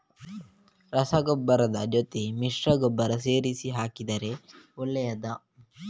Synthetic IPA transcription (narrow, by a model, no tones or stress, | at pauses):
ɾɐsɐɡɔbːɐɾɐd̪ɐd͡ʒot̪emiʂɾɐɡɔbːɐɾɐseːɾisiɦaːkid̪ɐɾeulːɐjɐd̪ɐ